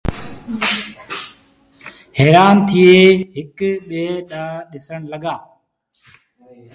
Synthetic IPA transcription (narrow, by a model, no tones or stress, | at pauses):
heːɾaːnt̪ʰieːɦɪkɓeːɗaːɗɪsəɳləɡaː